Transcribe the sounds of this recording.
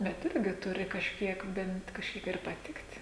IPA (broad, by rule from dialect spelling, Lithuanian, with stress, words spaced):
bʲɛt ˈɪrʲɡʲɪ ˈtʊrʲɪ kɐʃʲˈkʲiɛk bʲɛnt kɐʃʲˈkʲiɛk ɪr pɐˈtʲɪktʲ